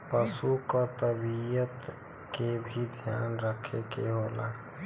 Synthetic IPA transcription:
pəsukɔt̪əbijət̪ | kebʱid̪ʱja̰nɾəkʰekeɦola̰

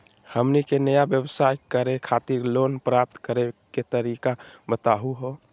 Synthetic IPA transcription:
həmnikenəjabjəbsajkəɾekʰat̪iɾloːnpɾap̚t̪kəɾeket̪əɾikabət̪aɦuɦo

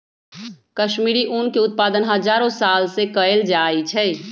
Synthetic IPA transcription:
kəʃmiːɾiʔunkeʊt̪̚paːd̪ənɦəd͡ʒaːɾõsaːlsekəeld͡ʒaːit͡ʃʰɛː

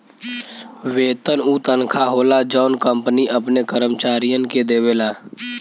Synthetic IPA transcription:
ʋeːt̪ənuːt̪ənkʰaɦoːlad͡ʒɔːnkə̃mpniʔəpnekəɾəmt͡ʃaːɾijənked̪eːweːlaː

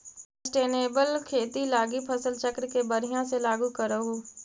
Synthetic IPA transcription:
ssəsʈeːneːbəlkʰeːt̪ilaːɡipʰəsəlt͡ʃəkɾkebəɾɪjãselaːɡukəɾoɡoː

